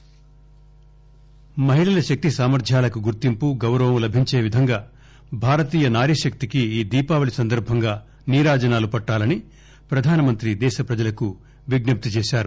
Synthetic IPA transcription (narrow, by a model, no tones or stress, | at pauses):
mɐɦiɭɐlɐʃɐk̚t̪isaːmɐɾd̪ʱjaːlɐkuɡuɾt̪impuɡɐwɾɐʋɐmlɐbʱiɲt͡ʃeːʋid̪ʱɐŋɡaː | bʱaːɾɐt̪iːjɐnaːɾiʃɐk̚t̪ikiiːd̪iːpaːʋɐɭisɐnd̪ɐɾbʱɐŋɡaː | niːɾaːd͡ʒɐnaːlupɐʈːaːlɐni | pɾɐd̪ʱaːnɐmɐnt̪ɾid̪ɛːʃɐpɾɐd͡ʒɐlɐku | ʋiɡnɐp̚t̪ut͡ʃɛːʃaːɾu